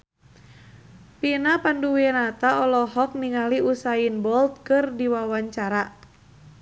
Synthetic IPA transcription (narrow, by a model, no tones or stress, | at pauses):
pinapanduwiɛnat̪aɔlɔɦɔk̚niŋaliusainbɔlt̪̚kɨrdiwawaɲt͡ʃaɾa